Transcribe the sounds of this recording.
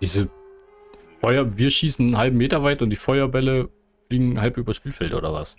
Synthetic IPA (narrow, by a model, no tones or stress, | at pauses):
d̥iːzə | fɔʏɐviːɐʃiːsn̩nhalbm̩mːeːtɐvaɪtʊnt̚d̥iːfɔʏɐbɛlə | fliːɡŋ̩halpʔyːbɐsʃpiːlfɛltʔo̰ːdɐva̰s